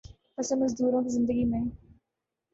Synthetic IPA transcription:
pɐsə̃nmɐzd̪uːɾõkizɪ̃nd̪əɡimẽ

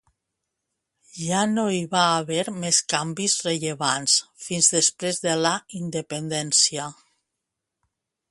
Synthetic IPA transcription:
ʒanoiβaːβɛɾmeskambizreʎeβansfinzðespɾezðelaind̪epend̪ɛnsia

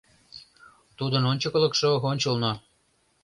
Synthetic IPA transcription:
t̪ud̪ənonʲt͡ɕəkələ̆kʃoonʲt͡ɕəlno

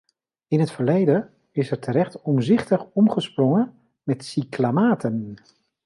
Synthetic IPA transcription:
ɪnɦətfəɹlejdə | ɪsɛɹtʰəɾɛχtɔmzɪχtəχɔmχəsprɔŋə | mɛtsiklamaːtən

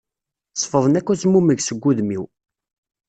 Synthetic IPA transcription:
sˤfəðˤənækʷːæsmuməʝsəɡʷːuðmiw

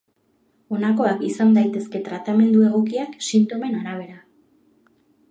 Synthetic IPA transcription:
o̞nako̞akisand̪ajt̪e̞ske̞t̪ɾat̪ame̞nd̪ue̞ɣ̞o̞kiaksint̪o̞me̞naɾaβ̞e̞ɾa

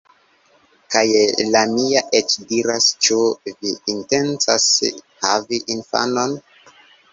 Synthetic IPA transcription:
kajlamiaʔet͡ʃdiɾast͡ʃuviːnte̞nt͡sashaviʔinfa̰no̞n

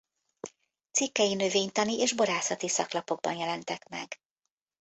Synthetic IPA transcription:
t̪sikːɛjinø̞veːɲt̪ɒniʔeːʒbo̞ɾaːsɒt̪isɒklɒpo̞ɡ̚bɒnjɛlɛnt̪ɛkmɛ̰ɡ

